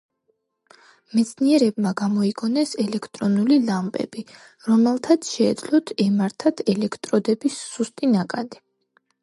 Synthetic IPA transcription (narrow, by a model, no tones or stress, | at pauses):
mɛt̪sʰniɛɾɛb̚maɡamɔiɡɔnɛsɛlɛkʰt̪ʼɾɔnulilampʼɛ̰bi | ɾɔmɛlˠt̪ʰat̪sʰʃɛːd̪zlɔt̪ʰɛmaɾt̪ʰat̪ʰɛlɛkʰt̪ʼɾɔd̪ɛbisːust̪ʼinakʼad̪i